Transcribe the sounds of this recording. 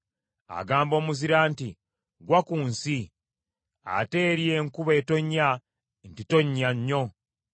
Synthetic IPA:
a̰ɡaːmbo̞ːmuziɾaːnti | ɡwakuːnsi | a̰te̞ːɾjeŋkuβe̞to̞ɲːa | ntito̞ɲːaɲːo̞

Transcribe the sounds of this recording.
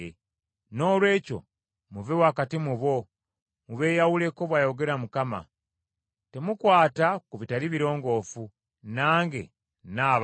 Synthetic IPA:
no̞ːlwe̞ːco̞̰ | muvewaːkatimuβo̞ | muβe̞ːjawule̞ko̞βwaːjo̞ɡe̞ɾamukama̰ | te̞mukwaːtakuβitaliβiɾo̞ːŋɡo̞ːfu | naːŋɡe̞̰ | naːβ

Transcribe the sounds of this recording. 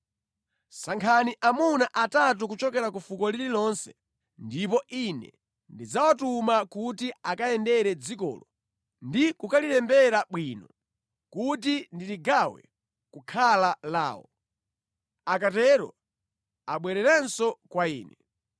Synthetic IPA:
saŋkʰaniʔamunaʔatat̬ukut͡ʃɔkɛɾakufukɔlililɔnsɛ̥ | ndipɔʔinɛ̰ | ndid͡zawatumakutiakajɛndɛɾɛd͡zikɔ̰ːlɔ | ndikukaliɾɛmbɛɾaɓwinɔ | kutindiɾiɡawɛ̰ | kukʰalala̰ːwɔ | akatɛɾɔ̰ | aɓwɛɾɛɾɛnsɔkwaiːnɛ

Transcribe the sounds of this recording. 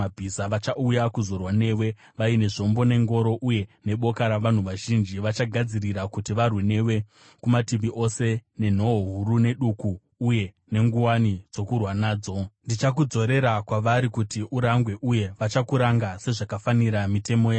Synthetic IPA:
abʱisaʋat͡ʃaujakuzo̞rwane̞ːwe̞ | ʋaine̞ʐo̞mbo̞ne̞ŋɡo̞ɾo̞ʔuje̞ne̞ɓo̞kaɾaʋan̤uʋaʒind͡ʒiʋat͡ʃaɡʱad͡ziriɾakutiʋarwine̞we̞ | kumatimbiʔo̞se̞ne̞n̤o̞oɦuɾune̞ɗukuː | je̞ | ne̞ŋɡuwanid͡zo̞kurwanaːd͡zo̞ndit͡ʃak̬ud͡zo̞ɾe̞ɾakwaʋaɾikutiʔuɾaŋɡwe̞ʔuje̞ʋat͡ʃakuɾaŋɡase̞ʐakafaniɾamite̞mo̞ja

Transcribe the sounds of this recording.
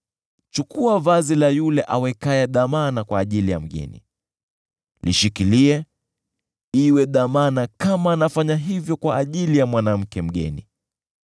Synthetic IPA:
t͡ʃukʰuavazilajulɛʔawɛkaɛɗamanakwaːʄilija̰m̩ɠɛ̰nḭ | lḭʃikiliɛ | iwɛɗamanakamaːnafaɲaɦivjɔkwaːʄilijamwanam̩kɛm̩ɠɛ̰ni

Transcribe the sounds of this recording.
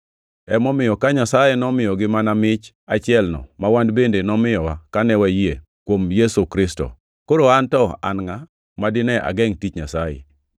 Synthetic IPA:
ɛmɔmɪjɔkaɲasajɛnɔmɪjɔɡɪmanamɪt͡ʃ | at͡ʃɪɛlnɔ̰mawandbendenɔmɪjɔwakanɛwajie | kwomjɛsukɾɪstɔ̰ | koɾoantɔa̰nŋa | madɪnɛʔa̰ɡɛŋtit͡ʃɲa̰sajɛ̰

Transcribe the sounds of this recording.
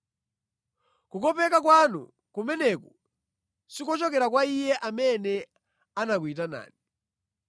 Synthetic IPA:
kukɔpɛkakwanṵ | kumɛnɛkɔ | sikɔt͡ʃɔkɛɾak̬waijɛʔamɛnɛ | anakuit̬ana̰ːni

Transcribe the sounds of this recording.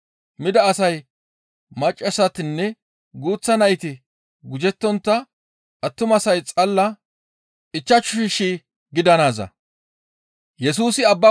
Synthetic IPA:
mɪd̪ɐːsɐj | mɐt͡ʃʼːɐsɐt̪ɪnːɛ | ɡuːt͡sːɐnɐjt̪ɪ | ɡʊd͡ʒɛt̪ːɔnt̪ːɐ | ʔɐt̪ːʊmɐsɐjt͡sʼɐlːɐ | ɪt͡ʃːɐt͡ʃːʊʃɪʃi | ɡɪd̪ɐnaːzɐ̰ | jɛs̬uːsɪɐbːɐ

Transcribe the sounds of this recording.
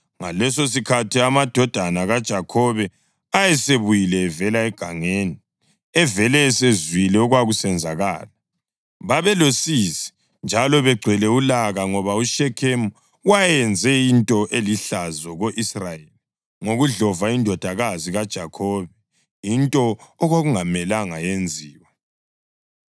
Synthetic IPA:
ŋa̰lɛsos̬ikʰatʰiamad̥ʱɔd̥ʱanaɣad̥ʒ̥ʱakʰɔβɛ | ajɛseβujilɛːvɛlaɛɡ̥ʱaŋeːni | ɛvɛlɛːsezwilɛuɣwaɣusɛnd͡zʱaɣaːla | βaβɛlosisi̥ | nd͡ʒʱalɔβɛɡ͡ǀʱɛlɛulaɣaŋɔβauʃɛkʰemu | wajɛnd͡zʱɛintʼɔʔeliɬazɔɣoʔisrajeli | ŋoɣuɮɔvaindʱɔd̥ʱaɣaziɣad̥ʒ̥ʱakʰoβɛ | jintʼɔːɣoɣuŋamɛlaŋajend͡zʱiːwa

